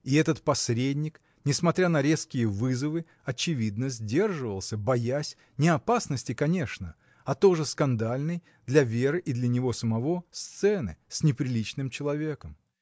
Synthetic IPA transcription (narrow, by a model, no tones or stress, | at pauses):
iɛt̪ət̪pɐsʲɾʲedʲnʲɪk | nʲɪsmɐt̪ɾʲanəɾʲe̞skʲɪjəvɨzəvɨ | ɐt͡ɕɪvʲid̪nəzʲdʲe̞rʐɨvə̰lˠsʲəbɐjasʲ | nʲɪɐpasnəsʲtʲɪkɐnʲe̞ʂnə | ɐt̪o̞ʐɨskɐnd̪alʲnɨj | d̪lʲɐvʲe̞ɾɨʔid̪lʲənʲɪvo̞səmɐvo̞st̪sɛnɨ̰sʲnʲɪpɾʲɪlʲit͡ɕnɨmt͡ɕɪlˠɐvʲe̞kəm